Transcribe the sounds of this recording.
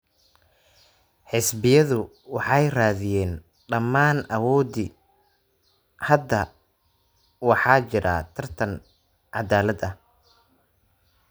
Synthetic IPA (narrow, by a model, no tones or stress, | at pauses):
ħɪsbɪjɐðʊ | wɑħɑjraːðɪjɛːn | ɖɐmːaːnʔɐwɔːd̪ɪ | hɐd̪ɐ | wɑħɑːt͡ʃɪɾa̰ːt̪ʰɐrt̪ʰɐn | ʕɑd̪aːlɐd̪ɐh